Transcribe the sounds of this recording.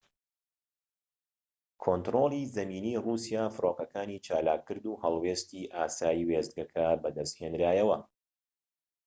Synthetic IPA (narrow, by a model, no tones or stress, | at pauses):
kʰont̪ɾolˠiːzɐmiːniːrusijaːfɨɾoːqɐkaːniːt͡ʃaːlaːkʰːɨɾd̪uːhɐlˠweːst̪iːʔaːsaːjiwezd̪̚ɡɐkʰɐbɐd̪ɐst̪heːnɾaːjɐwɐ